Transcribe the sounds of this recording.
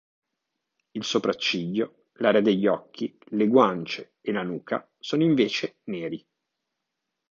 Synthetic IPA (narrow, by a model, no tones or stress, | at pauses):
ilsopɾat͡ʃːiʎːo | laːɾead̪eʎːɔkːileɡwant͡ʃeːlanuːkʰa̰ | soːnoiɱveːt͡ʃeneːɾi